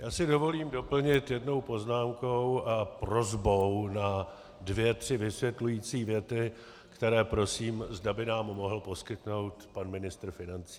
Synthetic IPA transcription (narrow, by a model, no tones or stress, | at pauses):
jaːsɪdo̞vo̞liːmdo̞pl̩ɲɪt̪jɛdno̞wpo̞znaːmkowʔapro̞zbo̞wna | dvjɛt̪r̝̥ɪvɪsvjɛt̪lujiːt͡siːvjɛt̪ɪ | kt̪ɛɾɛːpɾo̞siːmzdabɪnaːmːo̞ɦl̩po̞skɪt̪no̞wt̪panmɪnɪst̪r̩fɪnant͡si̥ː